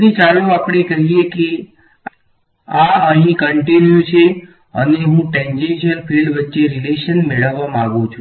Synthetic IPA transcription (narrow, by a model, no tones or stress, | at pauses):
it͡ʃaloapɽekəɦieke | aəɦĩkəɳʈinjut͡ʃʰe | ə̰neɦũʈɛ̃ɲd͡ʒenʃiəlpʰilɖʋətːʃeɾileʃənmeɭəʋːamãɡũt͡ʃʰũ